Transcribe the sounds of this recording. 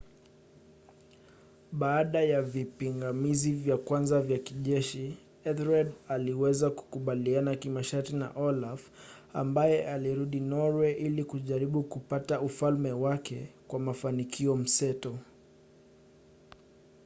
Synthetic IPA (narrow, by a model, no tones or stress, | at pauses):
ɓaːɗajavipiŋɡamizivjakwanzavjakiʄɛʃi | ɛθɾadaliwɛzaku̥kuɓalianakimaʃaɾtina̰ʔɔlafa̰mbajɛʔaliɾuɗinɔɾwɛʔilikuʄaɾiɓukupataufalmɛwakɛkwamafanikʰiɔm̩sɛtɔ